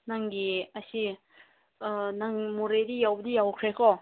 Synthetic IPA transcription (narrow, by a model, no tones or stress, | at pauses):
naŋɡiasi | naŋmoɾedijawbədijawkʰɾekʰɔ